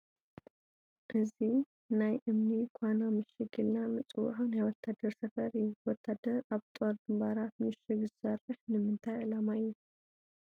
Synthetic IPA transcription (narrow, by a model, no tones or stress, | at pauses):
ʔɨzi | najʔɨmnikʰʷanamɨʃɨɡɨlnamɨt͡sʼɨw̰ħanajwɔt̪ʰːad̪ɐɾsɐfɐɾɨjːuwɔt̪ʰːad̪ɐɾaβt̪ʼoɾd̪ɨmbaɾat̪mɨʃɨɡzɨsɐrːɨħnɨmɨnt̪ʰajʔɨlamajːu